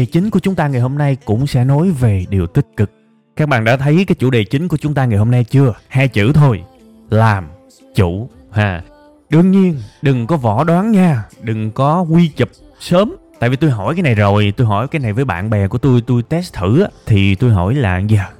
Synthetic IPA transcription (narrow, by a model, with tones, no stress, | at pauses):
e˨˩t͡ɕï˨˦ŋ̟ku˧˩ət͡ɕʊ˨˦ŋ͡mt̪aː˧ŋa˨˩jho˧mna˧jkʊ̰˧˥ŋ͡msɛ̰˧˥no˨˦jve˨˩ɗi˨˩əwt̪ï˥k̟̚kɨ˨˩k̚ | kaː˦˥k̚ɓa̰ː˧˨nɗa̰ː˧˥t̪ʰə˨˦jkaː˨˦jt͡ɕṵ˧˥ɗe˨˩t͡ɕï˨˦ŋ̟ku˧˩ət͡ɕʊ˨˦ŋ͡mt̪aː˧ŋa˨˩jho˧mna˧jt͡ɕɨ˧əhaː˧jt͡ɕɨ̰˧˥t̪ʰo˧j | laː˨˩m | t͡ɕṵ˧˩ | haː˨˩ | ɗɨ˧əŋɲi˧ənɗɨ˨˩ŋkɔ˨˦vɔ˧˩ɗwaː˨˦nɲaː˧ɗɨ˨˩ŋkɔ˨˦kwi˧t͡ɕə˨˩p̚ | səː˨˦mt̪a̰ː˧˨jvi˨˩t̪u˧jɦɔ̰˧˩jkaː˨˦jna˨˩jzo˨˩jt̪u˧jɦɔ˧˩jkaː˨˦jna˨˩jvəː˨˦jɓa̰ː˧˨nɓɛ˨˩ku˧˩ət̪u˧jt̪u˧jt̪ɛ˦˥st̪ʰɨ̰˧˩ʔaː˨˦˥t̪ʰi˨˩t̪u˧jɦɔ˧˩jla̰ː˨˩zəː˨˩